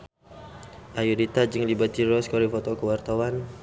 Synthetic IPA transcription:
ʔajudit̪ad͡ʒɨŋlibat̪iɾɔskɔɾifɔt̪ɔkəwart̪awan

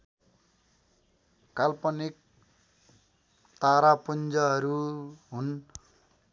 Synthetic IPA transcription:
kalpʌnik̚ | t̪aɾapʌnd͡zʌɦʌɾuɦun

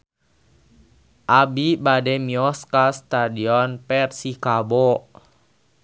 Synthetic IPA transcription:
ʔabibadɛmiɔskast̪adiɔnpɛrsikabɔ

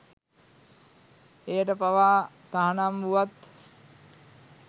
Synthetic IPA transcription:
ejəʈəpaʋaː | t̪aɦanamʋuʋat̪

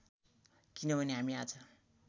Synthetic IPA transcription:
kinʌbʱʌneɦamiat͡sʰʌ

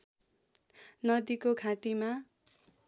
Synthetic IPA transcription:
nʌd̪ikokʰat̪ima

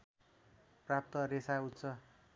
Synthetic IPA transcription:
prap̚t̪ʌɾesaut̪t͡sʰʌ

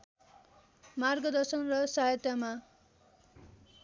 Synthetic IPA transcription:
marɡʌd̪ʌrsʌnrʌsaɦʌt̪jama

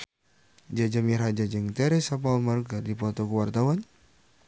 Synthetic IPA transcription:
d͡ʒad͡ʒamiɾad͡ʒad͡ʒəŋt̪ɛɾisap̬aulmarkədipɔt̪ɔkuwart̪awan

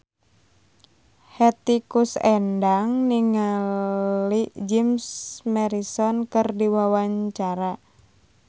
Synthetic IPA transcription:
hɛt̪ikusɛndaŋniŋa | lid͡ʒimsmɛɾisɔnkɨrdiwawaɲt͡ʃaɾa

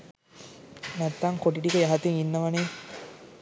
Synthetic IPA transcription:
næt̪ːaŋkoʈiʈikəjaɦat̪eŋinːəʋaneː

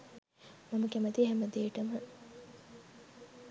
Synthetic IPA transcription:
mɐmɐɡemɐd̪iɦæmɐd̪eːʈɐmə

